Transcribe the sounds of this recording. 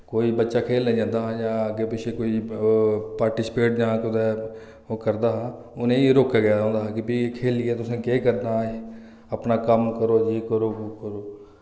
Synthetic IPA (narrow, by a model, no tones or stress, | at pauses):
koːiːbətːʃaːkʰeːlːeːd͡ʒãːnd̪aːɦãjãːəɡeːpɪʃeːkoːiː | paːɾʈɪːsɪ̥peːʈd͡ʒãːkʊd̪ɛː | kəɾd̪aːɦãː | ʊnẽːɾoːkaːɡɪjaːõːnd̪aːɦkɪbiːkʰeːlɪɛːt̪ʊsẽːkeːkəɾd̪aː | əpnaːkəmkəɾoːd͡ʒeːkəɾoːkəɾoː